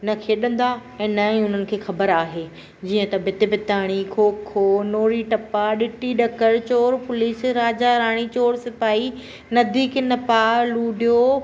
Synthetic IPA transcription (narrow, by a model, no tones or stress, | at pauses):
nɐkʰeːɗɐ̃nd̪aɛ̃ːnɐĩʊn̤ənɪ̆kʰeːxɐbəɾaːɦeː | d͡ʑiːə̃t̪ɐbɪt̪ɪbɪt̪aːɽ̃ikʰoːkʰːoːnoːɾiʈɐpaɗɪʈiɗɐkəɾt͡ɕoːɾpʊliːsɾaːd͡ʑaɾaːɽ̃it͡ɕoːɾsɪpaːi | nɐd̪iːkɪnɐpaːluːɖijo